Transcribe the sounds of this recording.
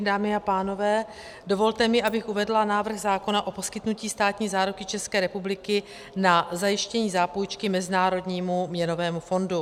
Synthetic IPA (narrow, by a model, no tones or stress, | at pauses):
daːmɪapaːno̞vɛː | do̞vo̞lt̪ɛmɪʔabɪxʔuvɛdlanaːvr̩ɣzaːko̞naʔo̞po̞skɪt̪nuciːst̪aːt̪ɲiːzaːɾukɪt͡ʃɛskɛːɾɛpublɪkɪ | nazajɪʃcɛɲiːzaːpojt͡ʃkɪmɛzɪnaːɾo̞dɲiːmumɲɛno̞vɛːmufo̞ndu